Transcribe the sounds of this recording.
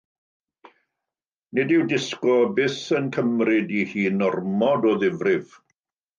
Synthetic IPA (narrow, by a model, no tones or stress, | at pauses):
nɪdɪwdɪskɔbɪθənkʰəmrɪdihiːnɔrmɔdɔðɪvrɪv̥